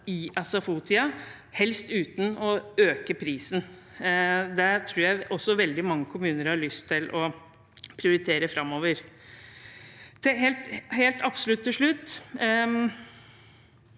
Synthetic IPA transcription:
ɪʔɑsɑfuːt̪ʰɪɑ | hɛlst̪ʉːt̪n̩ɔøːkəpʰɾiːsn̩ | d̪ɛt̪ʰɾuːɾjæɪɔsːɔʋɛld̪ɪmɑŋːəkʰʊmʉːnəɾhɑɭʏst̪ʰːɪlʔɔ | pʰɾɪʊɾɪt̪ʰeːɾəfɾɑmːoːʋəɾ | t̪ʰɛheːlt̪heːlt̪ɑpsɔlʉt̪ʰːɪʂɭʉt̪ː

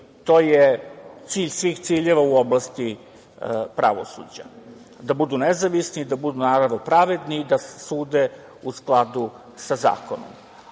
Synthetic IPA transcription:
t̪o̞ːjet̪siːʎsʋixt̪siːʎeʋauoblˠast̪i | pɾʔa̰ʋo̰sṵd͡ʑa̰ | d̪abud̪unezaʋisniːd̪abud̪unaːɾaʋnopɾaʋed̪niːd̪asuːd̪e | usklˠad̪u | saza̰ːkono̰m

